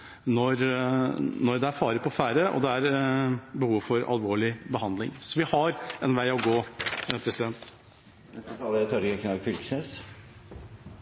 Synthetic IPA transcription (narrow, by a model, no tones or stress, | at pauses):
nɔɾ | nɔɾd̪ɛæɾfɑːɾəpʰɔfæːɾəʔɔ̰d̪ɛæɾ | bəhuːʋfɔɾɑ̰lʋoːɭɪbəɦɑnd̪lɪ̰ŋsɔʋɪhɑɾɛnʋæɪɔɡoːpʰɾɛsɪd̪ɛnt̪ | nɛst̪ət̪ʰɑːləɾæt̪ʰɑɾɡɛkʰnɑɡfʏlksɛs